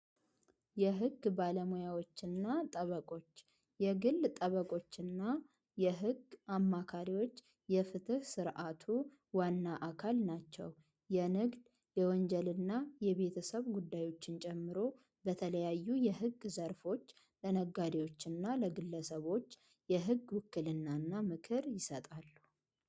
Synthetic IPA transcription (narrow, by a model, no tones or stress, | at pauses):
jɛɦɨɡbaləmojawo̞t͡ʃːɪnːat̪ʼəβəkʼo̞t͡ʃː | jɛɡɨlt̪ʼəβəkʼo̞t͡ʃːɨnːa | jɛɦɨɡamːakʰaɾiwo̞t͡ʃː | jɛfɨt̪ɨhsɨɾʔat̪ʰu | wanːaʔakʰalnat͡ʃːɛ̰w | jɛnɨɡd̪ | jɛwɔnd͡ʒɛlɨnːajɛβe̞t̪ʰəsəβɡud̪ːajo̞t͡ʃːɪnt͡ʃʼɛmːɨɾo̞ | bət̪ʰələjajːujɛɦɨɡːzəɾfo̞t͡ʃː | lənəɡad̪ewo̞t͡ʃːɨnːaləɡɨlːəsəβo̞t͡ʃː | jɛɦɨɡwʊkːɨlɨnːanːamɨkʰɨɾjɪsət̪ʼalːu